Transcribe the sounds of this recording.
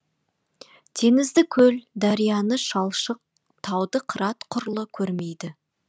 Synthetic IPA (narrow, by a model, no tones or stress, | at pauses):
t̪ʰe̞ŋɪzd̪ɪkʲʰɵld̪ɑɾijɑnəʃɑlˠʃəq̚ | t̪ʰɑwd̪əqʰəɾɑt̪qʰʊɾlˠəkʲʰɵɾme̞jd̪ɪ